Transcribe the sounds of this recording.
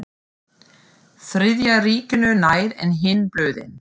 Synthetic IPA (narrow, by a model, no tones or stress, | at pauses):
θɾɪðjariːcɪnʏnaːjɾɛ̰nɦɪnplœːɥðɪ̰n